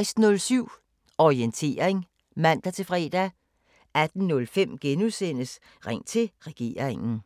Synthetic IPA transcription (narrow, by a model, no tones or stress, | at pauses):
ɪsd̥nɔ̽lsyʊ̰ | ɒʁient͡sʰe̝ːɐeŋ | mæn̰d̥æt͡sʰe̝fʁɛ̰ːd̥æ | æd̥n̩nɔ̽lfem̰ɡ̥enuðˠsen̰əs | ʁɛŋ̰t͡sʰe̝lʁɛɡ̥e̝̰ːɐʁeŋn̩